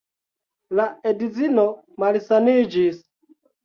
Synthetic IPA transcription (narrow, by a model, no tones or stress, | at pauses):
laedizino | malsanid͡ʒis